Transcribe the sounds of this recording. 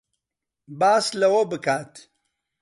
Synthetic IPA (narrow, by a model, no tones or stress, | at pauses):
baːslɐwɐbɨkaːt̪